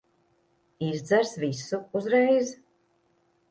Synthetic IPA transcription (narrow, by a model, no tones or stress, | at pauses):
izd̪zæɾsvisuuzɾɛjz